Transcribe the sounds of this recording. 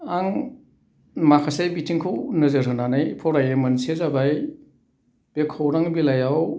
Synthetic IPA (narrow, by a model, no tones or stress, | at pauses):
aŋ | makʰasajbitʰiŋkʰɯwnɯzɯɾɯnanajpʰɔɾajemɯnsezabaj | b̥ekʰːowɾaŋbilajaw